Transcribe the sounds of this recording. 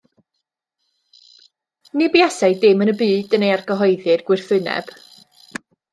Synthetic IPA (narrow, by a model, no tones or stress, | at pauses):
nɪbjasaɨjdɪmənəbɨːd̥ənejarɡəɦɔjðɨrɡ̥wɪrθɨnɛ̰b̥